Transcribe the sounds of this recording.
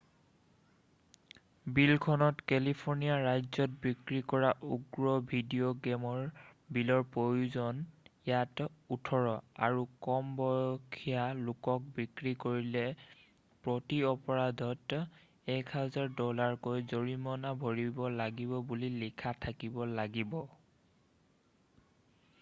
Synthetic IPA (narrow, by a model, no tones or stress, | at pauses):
bilkʰɔnɔtkɛlipʰoɹnijaɹajzɔt̚bikɹikɔɹaʔuɡɹɔbʱidioɡɛmɔɹbilɔɹpojuzɔnjatutʰɔɹɔa̰ɹukɔmbɔjɔkʰijalokɔk̚bikɹikoɹilɛ | pɹotiɔpɔɹadʱɔt | ɛkʰɦazaɹdɔlaɹkojzoɹimɔnabʱoɹibɔlaɡibɔbulilikʰatʰakibɔlaɡibɔ